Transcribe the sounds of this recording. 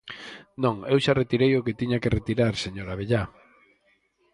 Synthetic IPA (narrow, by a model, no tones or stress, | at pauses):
nõŋewʃaret̪iɾejoket̪iɲakeret̪iɾaɾseɲoɾaβ̞eʎa